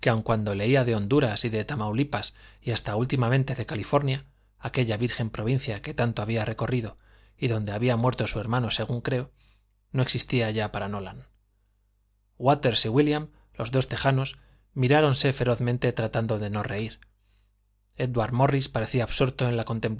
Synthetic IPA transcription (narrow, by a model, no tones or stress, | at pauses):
keawŋkwand̪o̞le̞iaðe̞o̞nd̪uɾasiðe̞t̪amawlipasiast̪ault̪imamẽ̞nt̪e̞ðe̞kalifo̞ɾnjaː | ke̞ʎaβiɾxe̞mpɾo̞β̞in̟θjake̞t̪ant̪oaβ̞iare̞ko̞riðo̞ | iðo̞nd̪e̞aβiamwe̞ɾt̪o̞sue̞ɾmãno̞se̞ɣ̞uŋkɾe̞o | no̞e̞ksist̪iaʝapaɾano̞lan | ɡwat̪e̞ɾsiɣwiljam | lo̞zðo̞st̪e̞xano̞s | miɾaɾo̞nse̞fe̞ɾo̞θmẽ̞nt̪e̞t̪ɾat̪and̪o̞ðe̞no̞re̞iɾ | e̞ðwaɾmo̞rispaɾe̞θiaːβsuɾt̪o̞e̞nlako̞nt̪e̞mp